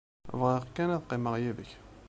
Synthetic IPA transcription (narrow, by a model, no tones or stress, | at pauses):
vʁiʁkːænæðqeməʁjæðəç